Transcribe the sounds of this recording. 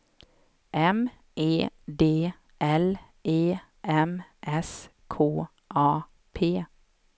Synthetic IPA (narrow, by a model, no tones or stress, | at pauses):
ʔɛm | ʔeːd̪eː | ʔɛl | ʔeː | ʔɛmʔɛs | kʰoː | ʔɑː | pʰeː